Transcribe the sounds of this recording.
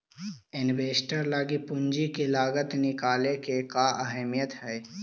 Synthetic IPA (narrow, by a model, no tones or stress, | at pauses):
ɪnbeːsʈəɾlaːɡipʊɲd͡ʒikilaːɡət̪nɪkaːlekekaʔəɦɛmijət̪ɦɛː